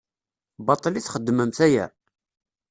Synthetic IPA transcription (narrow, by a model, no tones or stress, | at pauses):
bɑt̪ˤːliθχəd̪ːməmθæjæ̰